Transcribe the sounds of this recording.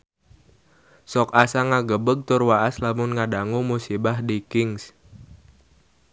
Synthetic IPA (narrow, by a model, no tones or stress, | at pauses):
sɔkasaŋaɡəbəɡ̚t̪ʊrwaʔaslamʊnŋaɖaŋumusibahdikɪŋs